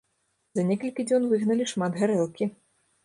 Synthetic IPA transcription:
zɐnʲɛkɐlʲkʲid͡zʲɔnvɨɣnɐlʲiʂmad̪ɣaɾɛlˠkʲi

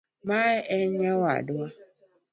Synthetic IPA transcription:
maɪʔɛɲawa̰dʊa

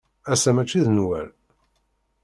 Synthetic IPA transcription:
æsæmæt͡ʃːiðnwæ̰l

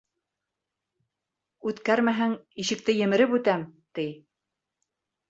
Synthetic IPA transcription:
ʉt̪kæɾmæɦæŋiʃɘ̆k̚t̪ɘjɘ̆mɘ̆ɾɘpʉt̪æmt̪ij

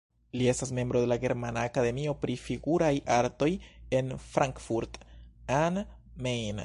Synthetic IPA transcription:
lie̞stasme̞mbɾo̞de̞laɡe̞ɾmanaːkade̞mio̞pɾifiɡuɾajʔaɾto̞je̞nfɾʔaŋkfuɾtan | mejn

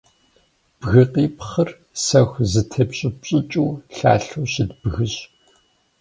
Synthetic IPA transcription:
b̥ɣɨqiːpχər | sɐxʷzɨtʰɐpɕʼɪɕʼɪt͡ʃʼuːɬa̰ːɬuːɕɪdbɣɨɕ

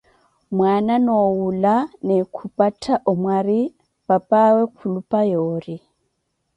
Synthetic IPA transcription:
mwananowulanɛkʰupʼatʰaʔɔmwari | papawɛkʰulupʼajoːri

